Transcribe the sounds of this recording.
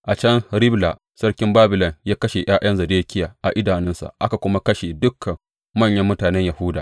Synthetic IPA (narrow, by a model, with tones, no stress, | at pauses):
ʔa˨t͡ʃɐ˦ŋɾɪ˦bla˨ | sɐ˦rkʲɪ˦mbaː˦bɪ˨lɐ˨njaː˦kɐ˦ʃe˨j̰ʔaː˦j̰ʔɐ˦nzɐ˨deː˦kʲɪ˦jaː˨ʔa˨ʔɪ˦daː˨nɪ˦nsa̰˨ʔa˦ka˨kʷʊ˦ma˦kɐ˦ʃe˨dʊ˦kʰːɐ˨mː | ɐ˦ɲjɐ˦mːʊ˦taː˨nɛ˦ɲjɐa˨hʊ˦daː˨